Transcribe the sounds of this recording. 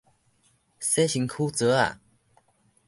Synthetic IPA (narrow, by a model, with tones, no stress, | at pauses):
se˥ɕi˨˦ŋkʰu˥˦t͡sə˨˦a̰˨˩˨